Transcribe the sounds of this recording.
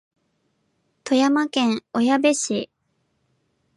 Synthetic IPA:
t̪o̞jamakẽ̞ŋ̃ojabe̞ɕi

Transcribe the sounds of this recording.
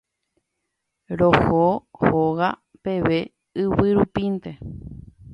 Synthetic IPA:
ɾohohoɣa | pe̞ʋe̞ | ɨβɨɾupint̪e

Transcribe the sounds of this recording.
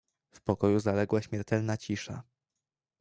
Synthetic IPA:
fpɔkɔjuzalɛɡwaɕmʲjɛɾt̪ɛlnat͡ɕiʂa̰

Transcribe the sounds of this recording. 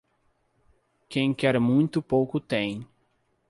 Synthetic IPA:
kẽj̃kɛɾmũj̃t̪ʊpowkʊt̪ẽj̃

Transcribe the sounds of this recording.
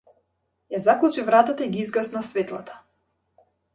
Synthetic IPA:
jazaklˠut͡ʃivɾat̪at̪aiɡiizɡasnasvɛt̪lˠat̪ʰḁ

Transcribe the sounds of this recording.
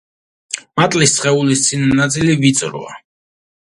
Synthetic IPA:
mat̪ʼlissχɛulist̪sʼinanat̪sʼilivit̪sʼɾɔ̰a̰

